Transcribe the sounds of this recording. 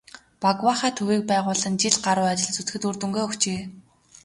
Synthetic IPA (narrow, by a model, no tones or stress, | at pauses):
paɣwaχaːt̪ʰɵwiːk̚pæːʁʊːɮə̆nt͡ɕiɮɢaɾʊːat͡ɕɪ̆ɮt͡su̥t͡s̪̆xɘ̆t̪urt̪ɵ̆ŋɡeːɵxt͡ɕeː